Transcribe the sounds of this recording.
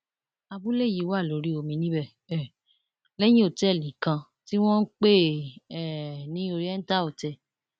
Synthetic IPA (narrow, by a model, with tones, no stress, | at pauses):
a˧bu˦le˦˨ji˨˦wa˦˨lo˨˦ɾi˦o˧˨mĩ˧˦nĩ˦bɛ˦˨ | ɛ˨ | lɛ˦j̃ĩ˦o˦˨tɛ˦˨lĩ˨kã˧ | ti˦w̃ɔ̃˦n̩˦k͡pe˦ɛ˨nĩ˨˦o˧ɾi˦ɛ˦n̩˦ta˦o˨tɛ˧˨